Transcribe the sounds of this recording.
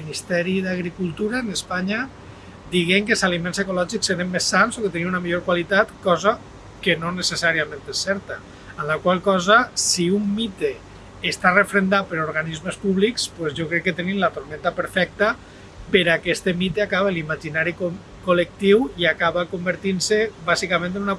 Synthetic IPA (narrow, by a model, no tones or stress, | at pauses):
inist̪ɛɾiðaɣ̞ɾikulˠt̪uɾaenespaɲa | d̪iɣeŋkelˠsalimensekolɔʒikseɾemːesːansoket̪enimunamiʎoɾkwalit̪at̪kɔza | kenonesesaɾiamẽnt̪esːɛɾt̪aː | mlakwalˠkɔzasiumːit̪eː | st̪arefɾend̪apeɾoɾɣanizmespuβlikspwezʒokɾɛkːet̪enimlat̪oɾmɛ̃nt̪apeɾfɛk̚t̪a | peɾakɛst̪emit̪eakaβelimaʒinaɾiko | kolek̚t̪iwiakaβakombəɾt̪insebazikamẽnt̪enuna